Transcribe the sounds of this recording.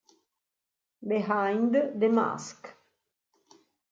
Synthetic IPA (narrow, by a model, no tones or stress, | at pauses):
beɦajnd̪əd̪ema̰sk